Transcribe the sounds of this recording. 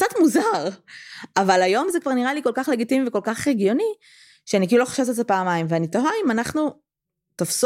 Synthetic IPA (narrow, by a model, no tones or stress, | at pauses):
kt͡sat̪muzaʁavalajo̞mzekvaʁniʁalikolkaχle̞ɡitimiveko̞lkaχeɡjo̞ni | ʃeanik̬iːluloḁʃavtet̪epaːmaimveanitoɦaimanaχnu | t̪ofs